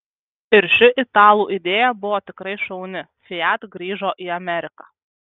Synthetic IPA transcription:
ɪɾʃʲɪʔɪt̪ɑːlˠuːʔɪd̪ʲeːjɛbʊʋoːt̪ʲɪkɾɐɪʃɐʊnʲɪfʲɪjæt̪ɡɾʲiːʒoːʔiːɐmʲɛɾʲɪkɑː

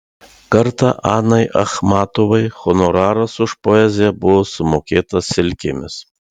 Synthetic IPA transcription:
kɐɾt̪ɑ̰ʔɑːnɐɪʔɐ̰xmɑːt̪oʋɐɪxɔnɔɾɑːɾɐsʊʃpoɛːzʲɪjɛbʊʋoːsʊmoːkʲeːt̪ɐssʲɪlʲkʲɪmʲɪs

